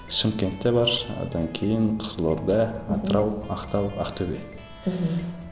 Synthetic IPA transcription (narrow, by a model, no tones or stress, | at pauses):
ʃɪmkʲe̞nt̪ːebɑɾo̰d̪ɑŋkʲʰejɪɴqʰəzlˠoɾd̪əɑt̪əɾɑwɑqt̪ɑwɑqt̪ʰɵbḛ